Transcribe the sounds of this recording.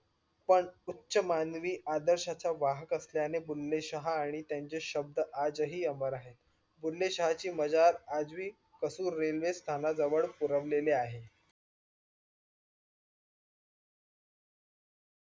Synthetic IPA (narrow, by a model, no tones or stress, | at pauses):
pəɳutːɕəmanʋiːʔad̪əɾɕat͡saʋaɦəkəsljanebulːeɕəɦaːɽ̃it̪jaɲt͡seɕəb̚d̪əʔad͡zəɦiːəməɾaɦet̪̚ | bulːeɕəɦat͡ɕiːməd͡zaɾad͡zʋiː | kəsuːɾːelʋest̪ʰanad͡zəʋəɭpuɾəʋleleaɦe